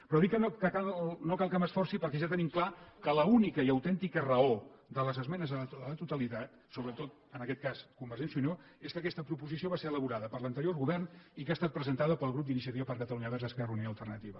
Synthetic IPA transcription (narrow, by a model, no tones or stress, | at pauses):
pɾɔðikːənokəkalnokalˠkaməsfɔrsipəɾkɛʒat̪ənimklakələunikəiəwt̪ɛnt̪ikərəod̪ələzəzmɛnəzðəðələt̪ut̪əlit̪at̪ | soβɾət̪ot̪ | ənəkɛt̪̚kaskumbəɾʒɛnsiuno | eskəkɛst̪əpɾupuzisioβaseɾələβuɾaðəpəɾlənt̪əɾioɾɣuβɛrnikast̪at̪̚pɾəzənt̪aðəpəlˠɣɾup̚d̪inis̬jət̪iβəpəɾkət̪əluɲəβɛɾzəskɛrəunijoəlˠt̪ərnət̪iβə